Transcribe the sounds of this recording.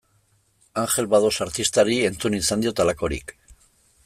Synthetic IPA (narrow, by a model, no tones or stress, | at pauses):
aŋxe̞lβað̞o̞saɾt̪ist̪aɾie̞nt͡sunisand̪io̞t̪alako̞ɾḭk